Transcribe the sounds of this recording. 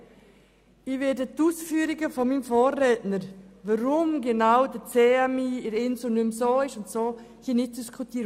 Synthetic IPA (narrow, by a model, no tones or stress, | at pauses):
ɪʋɛdətuːsfyːɾɪɡəfɔmimfoːɾːɛːtnəɾvaɾʊmɡenaʊdət͡seːamiːɪɾɪnsunʏmsoːɪʃʊntsoː | hiːnɪt̚d̥iskʰutiːɾ